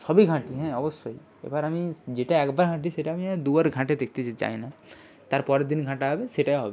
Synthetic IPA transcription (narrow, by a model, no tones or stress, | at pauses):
sɔbʱiɡʱãːʈiɦɛ̃ɔbəsːoi | ḛbaɾɐmĩd͡ʒeʈaɛkbaɾɡʱãːʈ̬iseʈamĩɛ̃d̪uəɾɡʱãːʈed̪ekʰt̪id͡ʒt͡ʃa̰ːina | t̪aɾpɔɾed̪inɡʱãːʈaɦbeseʈaɦobe